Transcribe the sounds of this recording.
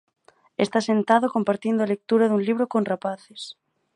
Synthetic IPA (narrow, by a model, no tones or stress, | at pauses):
est̪asent̪aðokompaɾt̪ind̪oalek̚t̪uɾaðuŋliβ̞ɾokonrapaθes